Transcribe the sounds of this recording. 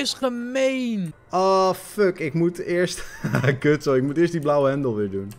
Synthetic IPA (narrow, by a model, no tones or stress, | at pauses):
ɪsχəmejnʔɔfəkɪkmutɪːɹstkøtsoɪk̚mutɪːɹsdiblawəɦɛndəlˠʋɪːɹdun